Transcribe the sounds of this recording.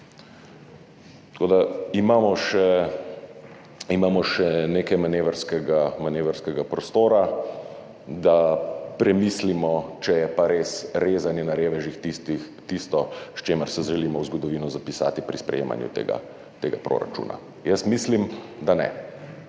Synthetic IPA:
t̪koːd̪aimaːmɔʃɛ | imaːmɔʃɛneːkɛjmaneːʋəɾskɛɡamaneːʋəɾskɛɡapɾɔst̪oːɾa | d̪apɾɛmiːslimɔt͡ʃɛjɛpaɾeːsɾeːzanjɛnaɾeːʋɛʒixt̪it̪i | t̪ist̪ɔʃt͡ʃeːməɾsɛʒʒɛlimɔwzɡɔd̪ɔʋiːnɔzapisa̰ːt̪ipɾispɾɛ̰jḛːma̰njṵt̪ḛːɡa̰ | t̪eːɡapɾo̰ːɾa̰t͡ʃṵːna̰ | jəsmislimd̪anɛ̰

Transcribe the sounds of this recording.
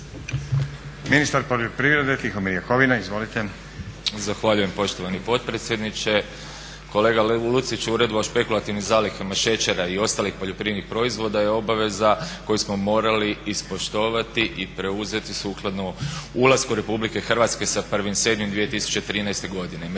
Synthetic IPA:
minist̪aɾpo̞ʎopɾivɾed̪et̪ixomiɾjekoʋinaizʋo̞lit̪e | zaxʋaʎuje̞mpo̞ʃt̪o̞ʋanipo̞t̪̚pɾet̪sje̞d̪nit͡ʃe̞ | ko̞le̞ːɡalut̪sit͡ʃuɾe̞d̪oaʃpe̞kulˠat̪iʋnizaːlikamaʃe̞t͡ʃeɾaio̞st̪aːlixpoʎo̞pɾinixpɾo̞izʋo̞d̪ajeo̞baʋe̞zako̞jusmo̞mo̞ːɾaliːspo̞ʃt̪o̞ːʋat̪iʔipɾe̞uze̞t̪isuːklˠad̪noulaskuɾe̞publike̞xrʋat̪ske̞sapr̩ʋimse̞d̪mimd̪ʋie̞t̪isu̥t͡ʃet̪ɾiːnajst̪e̞ɡo̞d̪ine

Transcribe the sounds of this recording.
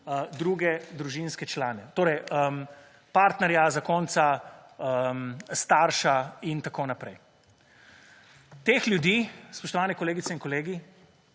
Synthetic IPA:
əd̪ɾuɡɛd̪ɾuʒinskɛt͡ʃlaːnɛt̪oːɾɛjəm | paːɾt̪nɛɾjazakɔːnt̪saəmst̪aːɾʃaint̪akoːnapɾɛj | t̪eːxljud̪iːspɔʃt̪ɔʋaːnɛkɔleːɡit̪sɛinkɔleːɡi

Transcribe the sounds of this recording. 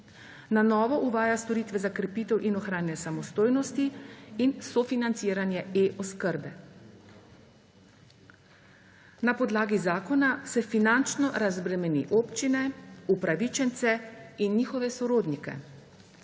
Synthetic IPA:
nanɔːʋɔʔuʋaːjast̪ɔɾiːt̪ʋɛzakɾɛpiːt̪ɛwʔinɔxɾaːnjɛsamɔst̪oːjnɔst̪iinsɔfinant̪siːɾanjɛeʔɔskəɾbɛ | napɔd̪laːɡizaːkɔnasɛfinant͡ʃnɔɾazbɾɛmɛnḭʔoːpt͡ʃinɛupɾaʋit͡ʃɛnt̪sɛinːiːxɔʋɛsɔɾoːd̪nikɛ̰

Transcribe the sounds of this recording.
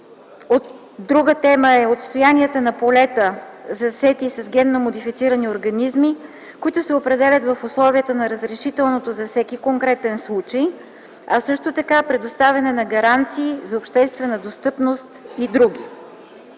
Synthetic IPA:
ot̪ | d̪ɾuɡət̪ɛməɛot̪st̪ojaniət̪ənɐpolɛt̪əzɐsɛt̪isɐzɡʲɛnːomod̪ifit̪siɾənioɾɡɐnizmi | koit̪ʊsɛopɾɛd̪ɛlʲɐt̪vɐfʊslˠɔviət̪ənɐɾəzɾɛʃit̪ɛlˠnot̪ozɐfsɛkikoŋkɾɛt̪ɛnslˠut͡ʃəj | ɐsɤʃt̪ot̪ɐkapɾɛd̪ost̪avʲɛnɛnɐɡɐɾant̪siːzɐopʃt̪ɛst̪vɛnəd̪ost̪ɤpnost̪id̪ɾuɡ̟ʲi

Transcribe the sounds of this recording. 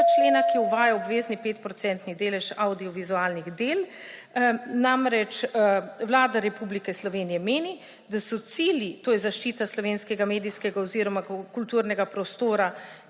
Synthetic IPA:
t͡ʃleːnakiuʋaːjaobʋeːznipeːt̪pɾɔt̪sɛnt̪nid̪eːlɛʃawd̪iɔʋizuaːlniɣd̪eːl | namɾɛt͡ʃwlaːd̪aɾɛpublikɛslɔʋeːnijɛmeːni | d̪asɔt̪siːljit̪oːjɛzaʃt͡ʃiːt̪aslɔʋenskɛɡameːd̪iskɛɡaoziɾɔmakult̪uɾnɛɡapɾɔst̪oːɾa

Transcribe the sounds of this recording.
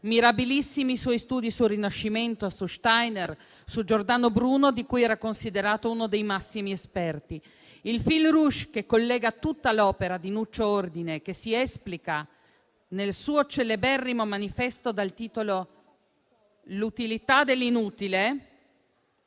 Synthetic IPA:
miɾabilisːimiswɔjst̪uːd̪isurinaʃːiment̪oasuʃt̪ajner | sud͡ʒord̪aːnobɾuːnod̪ikujɛːɾakonsid̪eɾaːt̪ouːnod̪ejmasːimiespɛrt̪i | ilfilruʃkekːolːɛːɡat̪ut̪ːalɔːpeɾad̪inut͡ʃːoord̪inek̟esiɛsplika | nelsuːot͡ʃelːebɛrːimomanifɛst̪od̪alt̪iːt̪olo | lut̪ilit̪ad̪elːinuːt̪ile

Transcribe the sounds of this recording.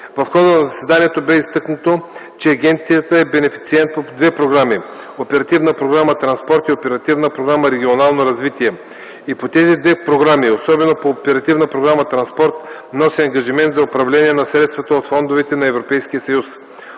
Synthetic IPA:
vɐfxɔd̪ənɐzɐsɛd̪aniɛt̪obɛist̪ɤknət̪o | t͡ʃɛɐɡʲɛnt̪sijət̪əɛbɛnɛfi̥t̪siɛnt̪̚pod̪vɛpɾoɡɾami | opɛɾɐt̪ivnəpɾoɡɾamət̪ɾɐnspɔɾt̪iopɛɾɐt̪ivnəpɾoɡɾaməɾɛɡʲionalˠnoɾɐzvit̪iɛ | ipot̪ɛzid̪vɛpɾoɡɾamiosɔbɛnopoːpɛɾɐt̪ivnəpɾoɡɾamət̪ɾɐnspɔɾt̪ | nɔsiɐŋɡɐʒimɛnt̪zɐopɾɐvlɛniɛnɐsɾɛt̪st̪vɐt̪əot̪fɔnd̪ovɛt̪ɛnɐɛvɾopɛjskijəsɐjus

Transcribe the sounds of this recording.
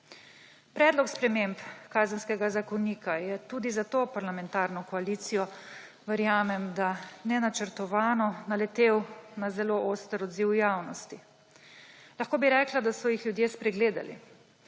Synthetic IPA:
pɾɛːd̪lɔkspɾɛmempkaːzənskɛɡazakɔniːkajɛt̪uːd̪izat̪oːpaɾlamɛnt̪aːɾnɔkɔaliːt̪sijɔ | ʋɛɾjaːmɛmd̪anɛnat͡ʃɛɾt̪ɔʋaːnɔnalɛt̪eːwnazɛloʔoːst̪əɾɔd̪ziwjaːwnɔst̪i | laxkoːbiɾɛːklad̪asɔjixljud̪jeːspɾɛɡleːd̪a̰lḭ

